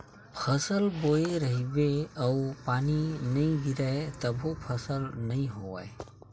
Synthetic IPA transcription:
pʰəsəlboeɾəɦibeəwpaninəĩɡiɾaet̪əbʱopʰəsəlnəĩɦowa̰e

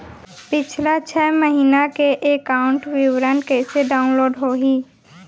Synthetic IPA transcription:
pɪt͡ʃʰlat͡ʃʰɛːməɦiːnakeʔekaːʊ̃ɳʈwɪwɾənkɛːseɖaːʊ̃nloːɖɦoːɦiː

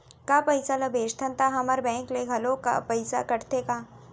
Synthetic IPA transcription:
kapɐjsalɐbeːʃt̪ʰɐnt̪aɦɐmɐɾbɛ̃ːŋkleɡʱɐloka̰pɐɪsa̰kɐʈt̪ekaː

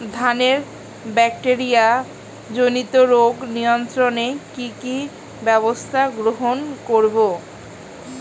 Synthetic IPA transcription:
d̪ʱaneɾ | bɛk̚ʈeɾija | d͡ʑonit̪oɾoɡnijont̪ɾonekiki | bɛβost̪ʰaɡɾoɦonkoɾbo

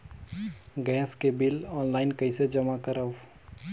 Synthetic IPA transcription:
ɡɛːskebɪlɔːnlaːɪnkɐised͡ʒɐmakəɾəw

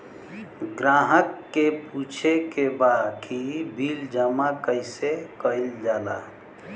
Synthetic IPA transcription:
ɡɾaɦəkːeput͡ʃʰekebakʰibʱild͡ʒəmakəjsekəild͡ʒala̰

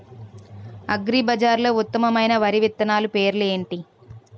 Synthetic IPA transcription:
ɐɡɾiːbɐd͡ʒaːɾloːut̪ːɐmɐmɐjnɐʋɐɾiʋit̪ːɐnaːlupe̞ːɾlue̞ːɳʈi

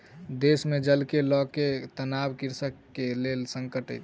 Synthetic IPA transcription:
d̪esmed͡ʒəlkelɔket̪ənabkiɾsəkːelelsəŋkəʈə̰jt̪

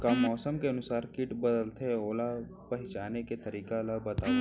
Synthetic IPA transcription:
kamɔːsəmkeɐnʊsaːɾkɪʈbəd̪əlt̪ʰeoːla | pɐɦɪt͡ʃaːneket̪ɐɾiːkalabɐt̪aː

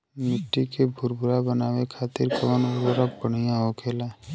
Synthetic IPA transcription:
mɪʈːikebʱʊɾbʱʊɾabənaːwekʰaːt̪ɪɾkəʋənoɾwəɾək̚bəɽ̤ijãɦokʰeːlaː

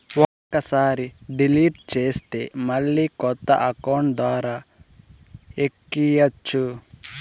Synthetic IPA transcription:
wɔkːɐsaːɾiɖiliʈt͡ʃeːst̪emɐlːikɔt̪ːɐ̰ʔɐkowɳʈd̪ʋaːɾa | ekːijɐt͡ʃːu

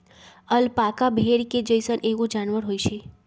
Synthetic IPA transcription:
əlpakabʱeɽked͡ʒəjsənʔeʋõd͡ʒanʋəɾɦojʃʰe

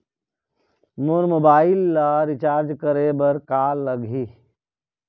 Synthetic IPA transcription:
moɾmoːbaːɪlːaɾɪt͡ʃaːɾd͡ʒkəɾebəɾkaːlːəɡʱi

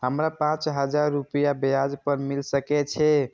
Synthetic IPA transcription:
ɦəmɾapãt͡ʃɦəd͡ʒaɾːupəjabead͡ʒpəɾmilsəkɛt͡ʃʰɛ

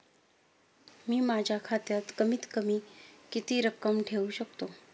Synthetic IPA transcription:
miːmad͡ʑʱjakʰat̪jat̪kəmiːt̪kəmiːkit̪iːɾəkːəmʈʰeuɕəkt̪o

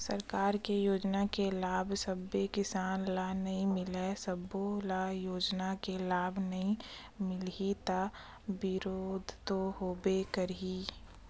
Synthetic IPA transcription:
səɾkaːɾkejoːd͡ʒnakelaːbʱsəbːekɪsaːnlanɐɦĩmɪlɛsəbolajoːd͡ʒnakelaːbʱnɐɦĩ | mɪlit̪a | bɪɾoːd̪ʱt̪oɦoːbekəɾi

